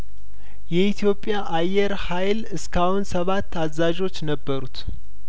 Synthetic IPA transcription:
jɛit̪ʰjo̞pʼːjaʔajːɛɾhajlɨskʰawunsəβat̪ʰːazaʒo̞t͡ʃːnəbːəɾut̪

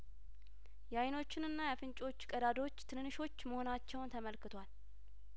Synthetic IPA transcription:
jɛajno̞t͡ʃːɪnɨnːajɛfɨnt͡ʃʼo̞t͡ʃːkʼəd̪ad̪o̞t͡ʃːt̪ʰɨnnːɨʃo̞t͡ʃːməho̞nat͡ʃːɛwnt̪ʰəməlkɨt̪ʰwal

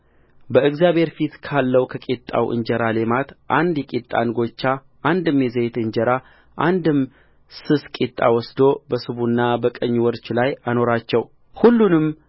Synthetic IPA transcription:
bəɨɡzjabhe̞ɾfit̪kʰalːəwkʰəkʼit̪ʼːa̰wʔɨ̰ɲd͡ʒɛɾale̞mat̪ʔand̪jɛkʼit̪ʼːa̰nɡo̞t͡ʃːa | ʔːnd̪ɨmjɛzejt̪ɨɲd͡ʒɛɾa | ʔand̪ɨm | sɨskʼit̪ʼːa̰wɔsd̪o̞bəsɨβunːabəkʼəɲːwɔɾt͡ʃlajano̞ɾat͡ʃːɛw | hulːunɨm

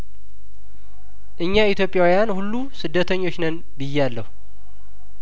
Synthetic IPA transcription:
ʔɨɲːait̪jo̞pʼːjawijanhulːusɨd̪ːət̪ʰəɲːo̞t͡ʃːnən | bɨjːɛalːəhu

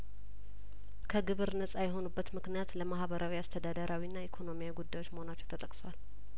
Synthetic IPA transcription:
kʰəɡɨβɨɾnəsʼajɛɦo̞nubːət̪mɨknijat̪ləmahβəɾʔawiast̪ʰəd̪ad̪əɾʔawinːaikʰo̞no̞mijaɡud̪ːajo̞t͡ʃːməho̞nat͡ʃːɛwt̪ʰət̪ʼəkʼsowal

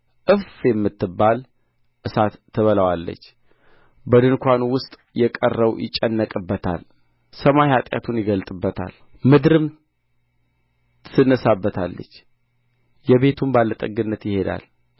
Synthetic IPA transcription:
ʔɨfjɛmːɨt̪ːɨbːal | ʔɨsat̪ʰːəβələwalːə̰t͡ʃː | bəd̪ɨnkʷʰanwʊst̪ʼ | jɛkʼərːəwjɪ̰t͡ʃʼːənːəkʼɨbːət̪ʰa̰l | səmajhat̪ʼja̰t̪ʰunjɪɡəlt̪ʼɨbːət̪ʰa̰l | mɨd̪ɾɨm | sɨnːəsabːət̪ʰalːə̰t͡ʃː | jɛβe̞t̪ʰumbalːət̪ʼəɡɨnːət̪jɪhe̞d̪a̰l

